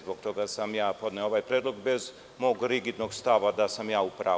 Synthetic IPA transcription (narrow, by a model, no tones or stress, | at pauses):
zbokt̪o̞ɡasamjaːpo̞d̪neooʋajpɾeːd̪lˠo̞ɡbez | moːɡɾiɡid̪noɡst̪aʋad̪asamjaːupɾa̰ː